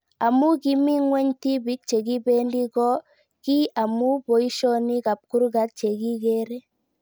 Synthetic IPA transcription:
a˨mu˦ki˨mi˦ŋwɛ˦ɲti˦bi˦k̚t͡ʃe˨ɡi˦be˦ndi˦ɡɔ˦ | ki˦a˨mu˦bo˨i˦ʃɔ˦ni˦ka˨p̚ku˦ɾɡa˦t̪̚t͡ʃe˨ɡi˦ɡe˦ɾe˦

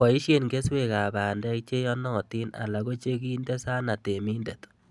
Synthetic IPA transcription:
a˨i˦ʃje˦nɡe˦swe˨ka˨baː˨ndɛ˦k̚t͡ʃe˦jɔ˦nɔ˦˨ti˦na̰˨la˨ɣo˦t͡ʃe˦ɡi˦nde˦sa˦na˨te˨mi˦nde˨t

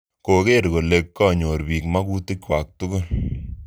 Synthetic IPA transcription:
ko˨ke˦ɾko˨le˨kːɔ˦˨ɲo˨ɾbi˨kma˦ku˦ti˦kwa˨k̚tʊ˦kʊ˦l

